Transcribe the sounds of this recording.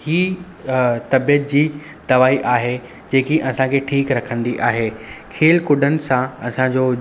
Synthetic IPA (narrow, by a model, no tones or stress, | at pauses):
hiː | t̪ɐbijət̪̚d͡ʑiː | d̪̥ɐʋaːiʔaːɦe | d͡ʑẽːkiʔɐsãkʰeʈʰiːkɾɐkʰə̃nd̪iʔaːɦeːkʰeːlkʊɖʱənɪ̆sãɐsãd͡ʑoː